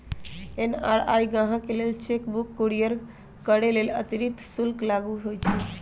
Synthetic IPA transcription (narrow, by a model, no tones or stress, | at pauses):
enaɽa̰jɡãɦãkelelt͡ʃekbukːoɽijəɾ | kəɽelelət̪iɾit̪sulklaɡuɦojt͡ʃʰɛ